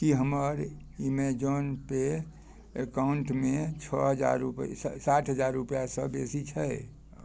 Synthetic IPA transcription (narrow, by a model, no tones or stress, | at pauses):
kiɦəməɾ | imed͡ʒonpe | ekauɳʈmet͡ʃʰəɦəd͡ʒa̰ɾupsaʈʰɦəd͡ʒaɾːupjasə̃besit͡ʃʰəj